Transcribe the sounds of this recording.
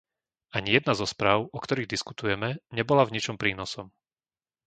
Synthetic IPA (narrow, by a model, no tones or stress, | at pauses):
aɲijɛd̪̚nazɔspɾaːʊɔkt̪ɔɾiːɣd̪isku̥t̪ujɛmɛɲɛbɔlavɲit͡ʃɔmpɾiːnɔsɔm